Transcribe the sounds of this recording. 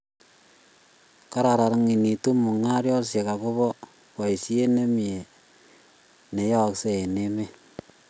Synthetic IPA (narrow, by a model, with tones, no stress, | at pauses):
ka˦ɾa˨ɾa˨ɾŋi˨ni˨tu˦mu˨ŋa˦ɾjɔ˦lse˨ka˨ku˦βɔ˦ | ka˨i˨si˦e˦ne˦mi˨e˨ | ne˨ja˦˨kse˦e˨ne˦me˦